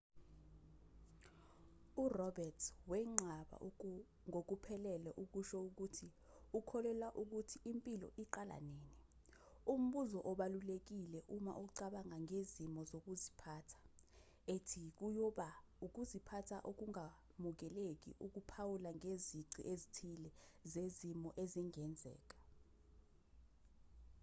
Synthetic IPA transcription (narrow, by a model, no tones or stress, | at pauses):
urɔbɛtʰwɛŋ͡ǁʱaɓa̰ʔ | ŋok̬upʰɛlɛlɛʔuk̬uʃɔuk̬utʰi | ukʰɔlɛlwaʔuk̬utʰiimpʼilɔ̰ʔiǃala̰neːni | um̩ɓuzɔʔɔɓalulek̬ilɛʔuma̰ʔuk̬uǀaɓaŋaŋezimɔzok̬uzipʰaːtʰḁ | etʰik̬ujɔɓa | uk̬uzipʰatʰa̰ʔok̬uŋa | muk̬ɛlek̬ḭʔuk̬upʰawulaŋʱeziǀḭʔezitʰilɛzezimɔʔeziŋɛnd͡zʱɛ̰ːk̬ḁ